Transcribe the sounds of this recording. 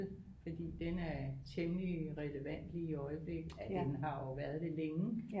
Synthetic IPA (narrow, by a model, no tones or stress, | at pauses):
fɒ̽d̥ḭːd̥enæɐt͡sʰemliʁɛləʋæn̰d̥liːiɒ̽ɪəb̥le̝ɡ̥æd̥enɦɑ̈ɒʊʋæɐð̞ˠd̥e̝leŋə